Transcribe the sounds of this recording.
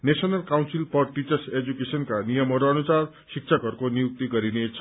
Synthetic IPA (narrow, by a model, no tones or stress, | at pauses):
nesʌnʌlkawnsilpʌrʈit͡sʌrsed͡zukesʌnkanijʌmʌɾoʌnusar | sik̚t͡sʰʌkʌrkonijuk̚t̪iɡʌɾinet͡sʰʌ